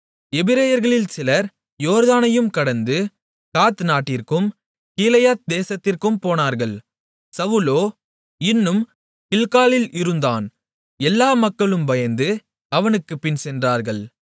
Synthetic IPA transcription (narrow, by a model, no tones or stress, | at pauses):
ɛbɪɾɐjɐɾɣɐɭɪlsɪlɐɾ | joːɾðaːnɐjɯmkɐɽɐnd̪ɯ | kaːt̪naːʈːɪrkɯm | kiːlɐjat̪̚d̪eːsɐt̪ːɪrkɯmpoːnaːɾɣɐɭ | sɐʋɯloː | ɪnːɯm | kɪɭkaːlɪlɪɾɯnd̪aːn | ɛlːaːmɐkːɐɭɯmbɐjɐnd̪ɯ | ɐʋɐnɯkːɯpɪnsɛndraːɾɣɐɭ